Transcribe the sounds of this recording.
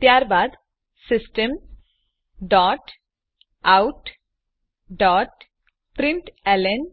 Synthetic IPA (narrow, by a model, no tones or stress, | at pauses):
t̪jaɾbad̪ | sɪsʈem | ɖɔʈ | awʈ | ɖɔːʈ | pɾɪɳʈɛlen